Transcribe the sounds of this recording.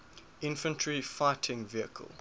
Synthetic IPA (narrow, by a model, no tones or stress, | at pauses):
ɪ̃nfə̃ntʰɹifaɪtʰɪ̃ŋviəkʰə̰lˠ